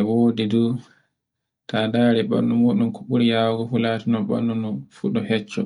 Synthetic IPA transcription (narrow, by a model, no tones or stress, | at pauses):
ɛwoːdidu | tadaːɾɛɓa̰nːɔmuɗumkɔɓuɾijaːwɡɔfulaːtinɔɓa̰nːɔnɔfuɗɔhɛt͡ʃːɔ̰